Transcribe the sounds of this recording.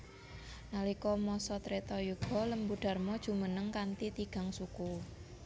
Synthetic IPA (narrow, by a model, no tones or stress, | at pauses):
nalikɔmɔsɔt̪ɾet̪ɔjuɡ̥ɔ̤ləmbuɖ̥a̤rmɔd̥ʒ̥ṳmənəŋkant̪it̪iɡ̥a̤ŋsuku